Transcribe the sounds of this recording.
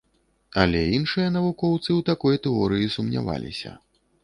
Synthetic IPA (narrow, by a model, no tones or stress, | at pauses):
ɐlʲɛinʂɨjɐnɐvukɔwt̪sɨwt̪akɔjt̪ɛɔɾɨjisumnʲa̰va̰lʲḭsʲɐ̰